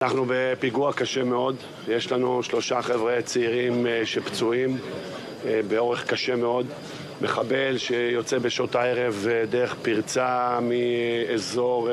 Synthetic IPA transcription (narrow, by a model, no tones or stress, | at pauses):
anaχnube̞piɡuakaʃeme̞o̞d̪ | jeʃlanuʃlo̞ʃaχevʁet͡seiʁimʃept͡suim | beo̞ʁeχkaʃe̞me̞o̞d̪ | meχabe̞lʃejo̞t͡sebeʃot̪aeʁe̞vdeeχpiʁt͡samiezo̞ʁ